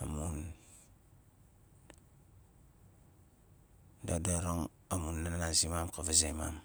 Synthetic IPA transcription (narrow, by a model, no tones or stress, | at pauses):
amun | dadaɾoŋ | amunːananazimamkavazema̰m